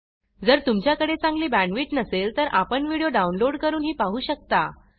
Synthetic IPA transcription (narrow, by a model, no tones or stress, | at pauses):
d͡zəɾt̪umt͡ɕjakəɽet͡sãŋɡliːbæɳɖʋiːʈnəselt̪əɾʔapəɳʋiɽijoɖaunloɽkəɾuːnɦiːpaɦuːɕək̚t̪a